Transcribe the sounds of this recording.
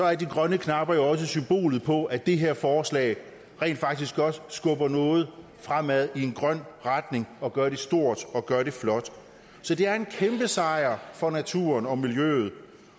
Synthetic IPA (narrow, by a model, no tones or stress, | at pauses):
sɒ̽æɐd̥iɡ̥ʁɶnəkʰnɑ̈b̥ɐjo̝ɒ̽s̬əsymb̥o̝̰ːlð̩ˠpʰɒ̽æd̥e̝ɦe̝ɐ̰fɒːslɛ̰ːɪ | ʁɛ̰ːnd̥fɑ̈ɡ̥d̥isɡ̥ɒ̽d̥sɡ̥ɔ̽b̥ɐnɔ̽ːð̞̩ˠ | fʁam̰æð̞ˠie̝nɡ̥ʁɶn̰ʁad̥ne̝ŋɒ̽ɡ̥ɶːɐɾe̝sd̥o̝ɐ̰d̥ɒ̽ɡ̥ɶɐɾe̝flɒ̽d̥ | sɒ̽d̥e̝æɐe̝nkʰemb̥əsɑ̈ɪɐfɒ̽næt͡sʰṵːɐnɒ̽miljø̰ːð̩ˠ